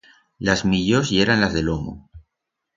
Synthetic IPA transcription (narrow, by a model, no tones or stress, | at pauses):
lazmiʎosieɾanlazðelomo̰